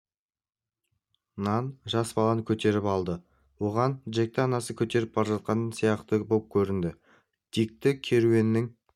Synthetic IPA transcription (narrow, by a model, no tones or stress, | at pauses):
nɑnʒɑsbɑlˠɑnəkʲʰɵt̪e̞ɾɪpɑlˠd̪ə | wo̞ʁɑnʒe̞k̚t̪ɪɑnɑsəkʲʰɵt̪e̞ɾɪp̚bɑɾʒɑt̪̚qɑnsijɑqt̪əbo̞p̚kʲʰɵɾɪnd̪ɪ | d̪̥ik̚t̪ɪkʲʰe̞ɾue̞nːɪŋ